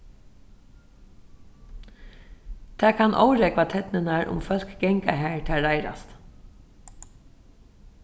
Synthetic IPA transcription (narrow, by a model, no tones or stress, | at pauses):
t̪ʰæːkʰanʔɔ̰wɾɛkʋat̪ʰɛt̪nɪnaɹʊ̰mfœl̥kɡɛŋka̰ɦæːɹt̪ʰɛːɹaɪɾa̰st̪